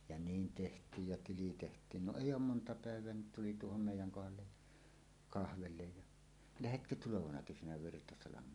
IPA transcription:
jɑ niːn tehtˑiːj jɑ tili tehtˑiːn no eˑijˑ oːm montɑ pæˑeʋˑeæ ni tuli tuohom meˑijˑæŋ kohɑlːej jɑ kɑhʋelːej jɑ læhetkø tuloʋɑnɑ kesænæ ʋirtɑsɑlɑmˑeːn

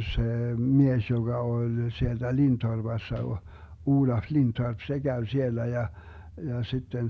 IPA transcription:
seː mies joɡ̊ɑ olʲ sield̥æ lintorb̥ɑsːɑ o uːlɑf lintorp se ɡ̊æy sielːæ jɑ jɑ sitːen

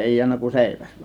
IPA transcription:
eˑi jiænːæ kun seˑiʋæs

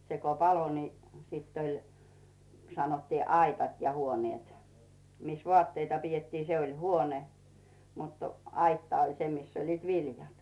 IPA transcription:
se ko pɑlo ni siˑtː olʲ sɑnotːiː ɑitɑt jɑ huonĭeˑt mis ʋŏɑˑtːeitɑ pietːiː se olʲ huone mut ɑitːɑ olʲ se mis olʲliːt ʋiljɑt

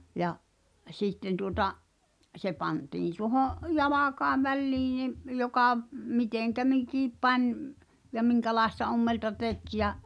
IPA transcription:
jɑ siˑtːen tuotɑʔ se pɑntiːn̞ tuohoʔ jɑlɑkɑe ʋælʲliːĩ nim jokɑˑ miteˑŋkæ mikiˑp pɑnʲ m̆ jɑ miŋkælɑestɑ omːeltɑ tek jɑ

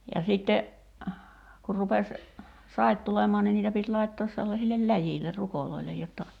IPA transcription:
jɑ sitːe kur rupes sɑit tulemˑɔɑ ni niːtæ pit lɑitːoːs selːɑsilːel læjiːlːer rukoloilej jotːɑ

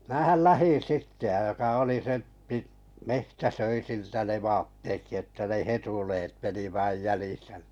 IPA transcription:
mæːhæl læhin̞ sitːe j̆ɑ jokɑ oli se pit mehtæ søi siltæ ne ʋɑːtːekːi etːæ ne hetuleːt meni ʋɑˑĭj jæliˑsæ ni

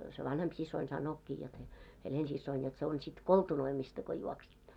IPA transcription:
se ʋɑnhemp sisˑoin sɑnˑoːkːiː jot se helensisːoin jot se on sit koltunoimistɑ ko juoksitːo

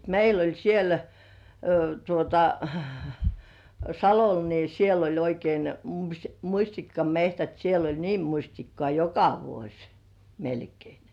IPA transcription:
meil olʲ siel tuotɑ sɑlol ni siel olʲ oikein mumusʲtikːɑmehtæt siel olʲ niːm̆ musʲtikːŏɑˑ jokɑ ʋuosʲ melkei

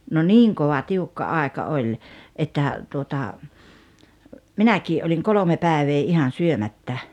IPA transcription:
no niːŋ koʋɑ tiukːɑ ɑˑekɑ olʲ etːæ tuotɑ minækiː oliŋ kolome pæˑeʋeː ihɑn̞ syømætːæ

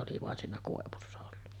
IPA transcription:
oli ʋɑˑen siːnæ koˑeʋusːɑ olːu

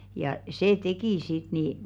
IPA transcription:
jɑ seː tekiˑ sit ni

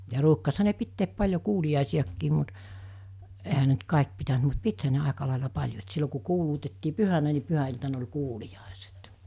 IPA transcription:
jɑ ruːkːɑshɑ ne pitːeːp pɑlʲjo kuːliɑˑisiɑkːiːm mut ehæ ne nt kɑˑek pitænt mut pithæ ne ɑˑekɑ lɑˑelɑ pɑlʲjo et silːo ku kuːluːtetːiː pyhænæ ni pyhæiltɑn olʲ kuːlij̆ɑˑeset

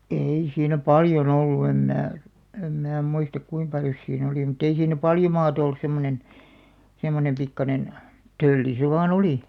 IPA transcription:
ei siːnæ pɑljon olːu em mæː em mæː muistɑk kuim pɑljos siːn oliˑ mutˑ ei siːnˑæ pɑljo mɑːt olːus semːonen semːonem pikːɑnen tølːi se ʋɑːn oliˑ

